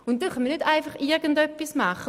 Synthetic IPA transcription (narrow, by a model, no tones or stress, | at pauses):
ʊntdɛχœnməɐnytaɪfaχɪʁɡən̩dœpːismaχə